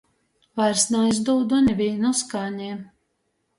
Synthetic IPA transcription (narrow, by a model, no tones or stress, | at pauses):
vajɾsnaːjzd̪ɔwd̪ɔnʲɛvʲiːnɔskaːnʲɛːm